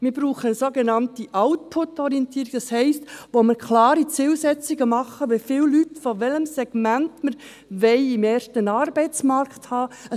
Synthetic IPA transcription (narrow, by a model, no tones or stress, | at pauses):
mɪɾbɾuːχəsoɡenɑntiʔɑwt̚pʰʊtɔɾiɛntiːɾiɡ̥̚d̥ɑshɛɪstʋoməɾkʰlɑːɾit͡sɪːlsɛt͡siɡəmɑχəʋefɪːlːytfoʋɛləmsɛɡ̥mæntməɾ | ʋɛɪimeːɾʃtənɑːɾbɛɪt͡smɑɾkthɑːə